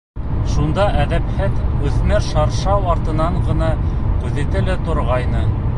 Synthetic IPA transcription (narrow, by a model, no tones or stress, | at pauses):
ʃund̪ɑʔæðæphæðɵ̆θnæɾʃɑɾʃɑwɑɾt̪ɤ̆nɑɴɢɤ̆nɑk̪ʉðit̪ɘlɘt̪ŏɾʁɑjnɤ